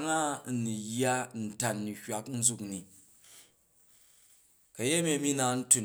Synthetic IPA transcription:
ŋa˦˨nu˨jːa˦n̩˨ta˨nːi˨hʲa˦kn̩˦d͡zu˦kni˨ | kɐ˨je˦mʲe˧˦mi˦na˨n̩˦tu˨n

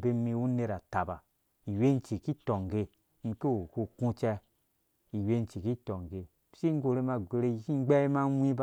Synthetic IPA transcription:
be˧mi˧u˦ne˧ɾa˨ta˨ba˨ | i˨we˦n̩˦t͡ʃi˨ki˦tɔ˨ŋ˨ɡe˧ | n̩˧ke˦o˨ko˧kũ˦˧t͡ʃɛ˧ | i˨we˦n˦t͡ʃi˨ki˦tɔ˨ŋ˨ɡe˧ | si˦ŋ˦ɡo˨ɾe˧˦ma˧ɡʷe˨˧ɾe˧˨ki˦ɡ͡bɛ˦i˦ma˦wʷĩ˦b

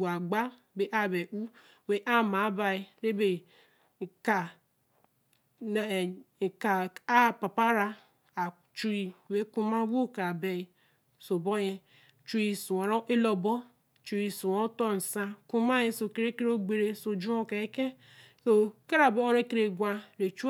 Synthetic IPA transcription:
a˨ɡ͡ba˦ | be˨ʔa˦˨be˨ʔu˦ | we˦ʔa˦ma˨˦ba˨i˦ɾe˦be˨ | ka˨ | ka˨a˦˨pa˨pa˦ɾa˦ | a˨ | t͡ʃu˦i˦we˦ku˦ma˦wo˦˨ka˨bɛ˨i˦ | so˨bo˦je˦ | t͡ʃu˦i˦˨su˨a˨ɾo˦ʔe˦lo˨bɔ˦ | t͡ʃu˨ɾi˨su˨o˦to˦˨n̩˨sa˦ku˦ma˦je˦so˨ke˦ɾe˦ke˦ɾo˦ɡ͡be˨ɾe˦so˨d͡ʒu˦o˦ke˨e˦ke˦ | so˦ke˦ɾa˨bo˦o˦ɾe˦ke˦ɾe˨ɡʷa˦ɾe˨t͡ʃu˦

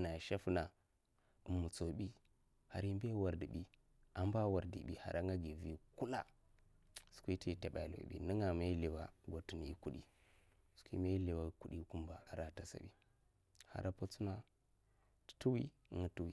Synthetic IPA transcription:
na˨ʃa˦fna˨ | u˨mːu˨t͡so˨bi˦ | ha̰˨ɾi˦m˦be˦wa˨ɾdi˨ɓi˦ | a˨m˦ba˦wa˨ɾdḭ˨ɓḭ˨ha̰˨ɾʔa˦ŋɡa˦ɡi˨vi˨ku˦la̰˦˨ | su̥˨kʷi˦ti˦˨ta˨ɓa˨lo̰˨ɓḭ˨nə˦ŋa˨ma˦i˦le˨wa̰˨ɡʷo˨tu˨n˨i˦ku˦ɗḭ˦ | su̥˨˦kʷḭ˦ma˦i˦le˨wa˨˦ku˦ɗi˦ku˦mba˨a˨ɾa˨ta˨sa̰˨ɓḭ˦ | ha̰˨ɾa˦po˦t͡su˦na˨ | tu˦wi˦˨˦ŋa˦tu˦wi˨

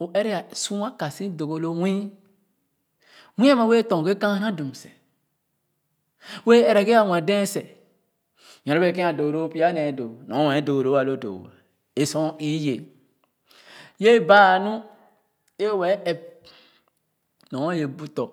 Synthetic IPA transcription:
o˨ʔɛ˦ɾe˦ja˨sũ˦a˦ka˨sĩ˦do˨ɡo˨lo˦wĩ˦ | wĩ˦a˦ma˨˦we˦tɔ̃˨ɡe˦kã˦nã˦du˨m˨sɛ˨ | we˦ɛ˨ɾa˨ɡe˦a˨wã˨dɛ̃˦sɛ˨ | jã˨ɾa˦be˦˨kɛ̃˦a˨do˨ɡo˨ɾo˦pi˦a˦nɛ̃˨˦do˨nɔ̃˨˦wɛ̃˨˦do˨ɾo˨˦a˨lo˦do̰˨ | e˨sɔ̃˦i˦je˨ | je˦baː˦˨nũ˦ | e˦wɛ˨˦ɛ˨p̚ | nɔ̃˨˦je˨bu˦tɔ˨

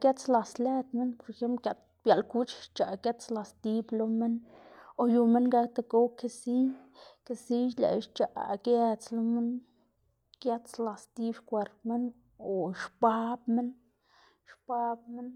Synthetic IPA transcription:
ke˦t͡sla˨sle˦t̪me˦npo˧ɾe˧xe˦mplkʲa˧t̪ | bja˨lku˦t͡ʃt͡ʃa˨ke˦t͡sla˨st̪i˧blo˧me˦n | o˧ju˧me˦nɡa˧˦k̚t̪a˧ɡo˦wke˧si˦jke˧si˦lḛ˨ʃt͡ʃa̰˨ʔke˦t͡slo˧˦me˦n | ke˦t͡sla˨st̪i˦bʃkʷe˧ɾt̪me˦n | o˨ʃpa˦bme˦n | ʃpa˦b̚me˦n

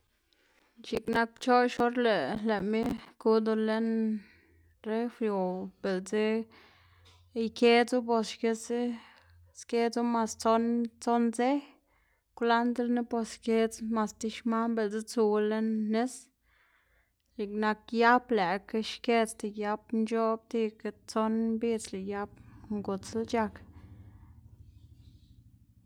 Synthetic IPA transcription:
t͡ʃi˨kna˧k̚t͡ʃo˦ʃo˦ɾle˨le˨mi˦ku˧˦d̪o˧le˦n | ɾe˦fɾjo˨b̥e˨lt͡se˦˧ | jke˦t͡su˦po˧ske˧si˦ | ske˦t͡su˦ma˨st͡so˧˦nt͡so˦nze˦ | kla˦nd̪ɾni˦bo˧ske˧t͡sma˧st̪i˧ʃma˦mbe˨lt͡si˦t͡su˧le˦nːe˦s | li˨kna˧kja˦ble˨ke˧ʃke˦t͡st̪i˧ja˧bnt͡ʃo˦b̚t̪i˧ke˧t͡so˦nmbi˦t͡sle˨ja˧˦bŋɡu˨t͡slt͡ʃa˧k

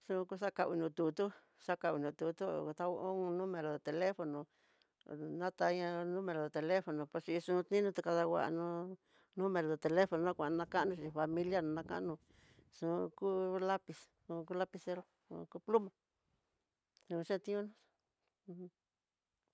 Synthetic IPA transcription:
ʂũ˧˦˧ku˦˧ʂ̬a˦ka˧ʔḭ˧nũ˧t̪u˧t̪u˦ | ʂa˦ka˧wi˧nũ˧t̪u˧t̪u˦˨˧t̪a˦o˦˧nũ˦mẽ˧ɾo˨ðo˨t̪e˨le˦fo˧nõ˨ | nã˦t̪a˧ɲã˧nũ˦mẽ˧ɾo˨ðo˨t̪e˧le˦fo˨nõ˨po˧t͡ʃi˧ʂũː˧t̪nĩ˦nũ˦t̪a˧ka˧ða˧wa̰˧ʔnũ˧˦ | nũ˦mẽ˨˧ɾo˨ðo˨t̪e˧le˦fo˧nõ˧nã˦˧kʷã˨ʔnã˧ka˦ʔnũ˧ʃi˧fa˧mĩ˧lja˦nũ˧nã˧ka̰˦ʔnũ˧ | ʂũ˧ku˦la˦pi˧s | ũ˧ku˦la˦pi˧se˧˦ɾo˦ | ṵ˧ku˦plu˦mã˨ | sũ˧ũ˧ʃẽ˦t̪ĩ˦ũ˦nũ˦˧˦

